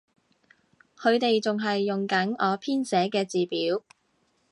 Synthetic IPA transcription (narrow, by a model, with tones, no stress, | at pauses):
kʰɵ˨˧ɥt̪e˨jt͡sʊ˨ŋɦɐ˨jːʊ˨ŋkɐ˨˥nɔː˨˧pʰiː˥nsɛː˨˥kɛː˧t͡siː˨piː˨˥w